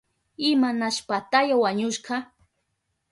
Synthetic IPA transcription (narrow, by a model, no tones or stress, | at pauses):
ɪmanaʃpat̪ajawaɲʊʃɢɑ